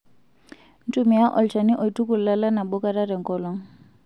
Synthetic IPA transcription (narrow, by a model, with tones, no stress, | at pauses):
n̩˦tu˦mi˨ja˦ʔɔ̰˨lt͡ʃa˨ni˦ʔɔ˨i˨tu˦ku˨la˦la˦na˨ɓɔ˦ka˦ɾa˦ɾɛ˨ŋ˨kɔ˦lɔ˦ŋ